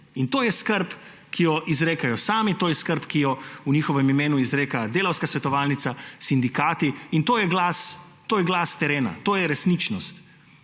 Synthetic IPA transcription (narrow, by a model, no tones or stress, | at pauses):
int̪oːjɛskəɾp | kʰijɔʔizɾeːkajɔsaːmit̪oːjɛskəɾpkijɔuɲiːxɔʋɛmimeːnuizɾeːkad̪eːlawskasʋɛt̪ɔʋaːlnit̪sasind̪ikaːt̪iint̪oːjɛɡlaːs | t̪oːjɛɡlaːst̪ɛɾeːna̰t̪oːjɛɾɛsniːt͡ʃnɔst̪